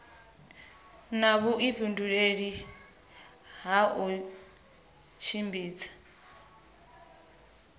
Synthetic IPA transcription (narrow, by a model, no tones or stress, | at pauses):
naβuʔiɸʰunduɺeɺi | ɦau | t͡ʃʰimbiːt͡sʰḁ